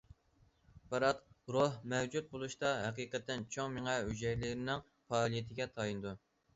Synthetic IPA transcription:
bɑɾɑt̪ɾohmɛwd͡ʒut̪̚bolˠuʃt̪ɑɦɛqiːqɛt̪ːɪnt͡ʃʰoŋmɪŋɛɦyd͡ʒɛjlɪɾɪnɪŋ | pɑːlˠijet̪ʰɪɡʲɛt̪ʰɑjinɨd̪u

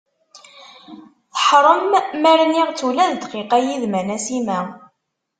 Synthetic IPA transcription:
θəħɾˤəmːæɾniʁt͡sːulæðd̪qiqæjiðmænæsimæ

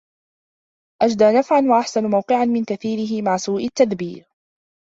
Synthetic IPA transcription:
ʔad͡ʒd̪aːnafʕanwaʔaħsanmawqɪʕanmɪnkaθiːɾɪɦɪmaʕsuːʔɪt̪ːaðbiːɾ

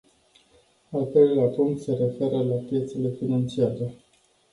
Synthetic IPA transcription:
alt̪ɾejllapuŋk̚t̪se̞ɾe̞fe̞ɾəlapje̞t̪se̞le̞finant͡ʃiaɾe

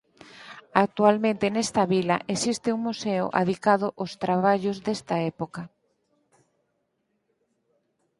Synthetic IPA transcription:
ak̚t̪ualmẽnt̪enest̪ɐβilɐʔesist̪ɪuŋmuseʊ̰ʔa̰ðikaðʊʔost̪ɾaβ̞aʎʊzðest̪ɐɛpokɐ

